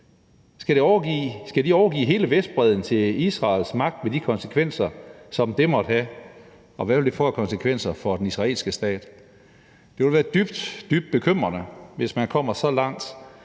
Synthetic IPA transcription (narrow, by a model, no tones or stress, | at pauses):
sɡ̥æɾ̥eɒʊɐɡisɡ̥æd̥iɒʊɐɡ̥ḭːɦe̝ːləʋesd̥̚b̥ʁɛð̞ˠn̩t͡sʰe̝isʁɑ̈ːlsmɑ̈ɡ̥̚d̥med̥ikʰɒ̽nsə̥kʰʋen̰sɐsɒ̽md̥e̝mɒ̽d̥hæ | ɒ̽ʋæʋe̝ld̥efɒkʰɒ̽nsəkʰʋen̰sɐfɒ̽d̥enisʁɑ̈ḛːlsɡ̥əsd̥ɛ̰ːd̥ | d̥e̝ʋe̝lʋæːɐd̥yb̥d̥d̥yb̥d̥̚b̥e̝kʰøm̰ʁɐnəʋe̝smænkʰɒ̽m̰ɐsɒ̽lɑ̈ŋ̰d̥